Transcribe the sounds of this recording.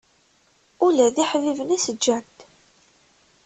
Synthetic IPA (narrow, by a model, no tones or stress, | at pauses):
ʊlæðiħvivənæsəd͡ʒːænt̪